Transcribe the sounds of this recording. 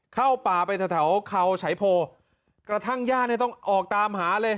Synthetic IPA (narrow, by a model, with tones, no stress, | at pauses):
kʰa˥˩wpaː˨˩pa˧jt̪ʰa˧˩t̪ʰa˩˦wkʰa˧wt͡ɕʰa˩˦jpʰoː˧ | kɾa˧t̪ʰa˥˩ŋjaː˥˩naː˥˩t̪ɔ˥˩ŋʔɔː˨˩k̚t̪aː˧mɦaː˩˦lɤː˧j